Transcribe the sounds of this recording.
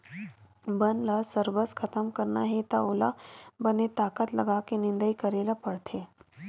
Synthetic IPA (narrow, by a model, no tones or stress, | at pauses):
bənlasəɾbəskʰɐt̪əmkəɾna̰ɦet̪a̰oːla̰bənet̪aːkət̪lɐɡakenɪ̃nd̪əikɐɾeːlapɐɽt̪ʰeː